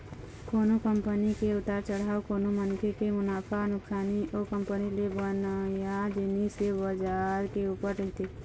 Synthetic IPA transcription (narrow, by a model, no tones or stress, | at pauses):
koːnokəmpənikeʊt̪aːɾt͡ʃəɽaːokoːnomənkʰekemʊnaːfʰaənʊksaːnioːkə̃mpənilebənajad͡ʒɪnisebəd͡ʒaːɾkeuːpəɾɾɐɦt̪e